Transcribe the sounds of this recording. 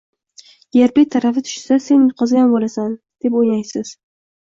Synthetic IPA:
jeɾbet̪ʰaɾafɪt̪ʰʊ̥ʃsase̞nqʰɒzɪjanbolasan | d̪̥e̞pojajsɪz̥

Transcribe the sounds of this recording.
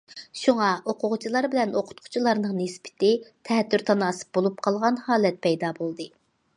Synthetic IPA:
ʃuŋɑʔoqʰʊʁʊt͡ʃʰilˠɑɾbɪlɛnoqʰʊ̥t̪̚qʰʊ̥t͡ʃʰilˠɑɾnəŋnɪspɪ̥t̪ɪt̪ʰɛt̪ʰːyɾt̪ʰɑnɑːsɨ̥p̚b̥olˠup̚qʰɑlˠʁɑnhɑːlˠɛt̪̚pʰɛjd̪ɑbolˠd̪ɨ

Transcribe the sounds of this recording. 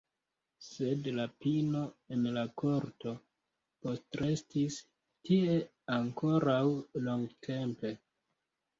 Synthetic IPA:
se̞dlapino̞e̞nlako̞ɾto̞ | po̞stɾe̞stis | tie̞ | aŋko̞ɾawlo̞ŋɡtʰe̞mpe̞

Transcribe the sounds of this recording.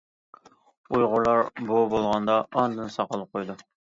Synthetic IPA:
ujʁʊlˠɑɾbubolˠʁɑnd̪ɑːnd̪ɨnɨsɑqəlˠəp̚qʰojd̪u

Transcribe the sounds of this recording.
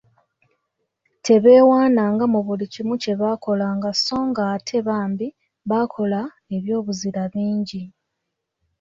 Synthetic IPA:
tʰe̞βe̞ːwaːnaːŋɡamuβulicimuce̞βaːko̞laːŋɡaso̞ːŋɡaːtʰe̞βaːmbi | βakʰo̞la | e̞βjo̞ːβuziɾaβiːɲɟi

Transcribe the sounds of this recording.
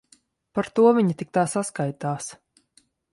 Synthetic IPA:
paɾt̪uɔvʲiɲit̪ik̚t̪aːsaskajt̪aːs

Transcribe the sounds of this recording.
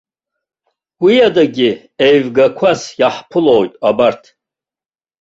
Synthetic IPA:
wijadaɡʲi | ejvɡakʷʰasjaħpʰɨlowjtʼabartʰ

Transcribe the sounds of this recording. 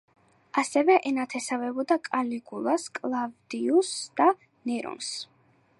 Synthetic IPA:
asɛvɛʔɛnat̪ʰɛsavɛbɔd̪akʼaliɡulˠaskʼlˠavd̪iusd̪̥a | nɛɾɔ̰ns

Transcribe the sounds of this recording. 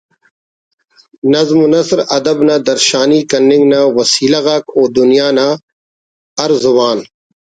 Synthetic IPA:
nɐzmunɐsɾɐd̪ɐbnaːd̪ɐɾʃaːniːkɐnːɪ̃ŋɡnawɐsiːlaɣaːkoːd̪ʊnijaːna | ɐɾzwaːn

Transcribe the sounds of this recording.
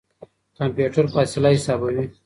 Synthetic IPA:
kampjuʈɐɾfaːsɪlahɪsaːbɐwi

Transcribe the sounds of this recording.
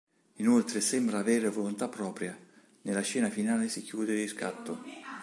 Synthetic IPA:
inolt̪ɾesɛmbɾaːveːɾevolont̪apːɾɔːpɾja | nelaʃɛːnafinaːlesikjuːd̪eɾiska̰t̪ːo

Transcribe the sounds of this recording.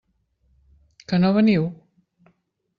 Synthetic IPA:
kənoβəniw

